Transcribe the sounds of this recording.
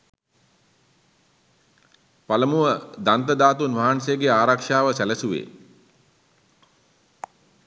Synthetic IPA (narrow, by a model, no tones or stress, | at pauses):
paləmuʋəd̪ant̪əd̪aːt̪unʋaɦansəjəɡeaːɾakʂaːʋəsæləsuʋḛː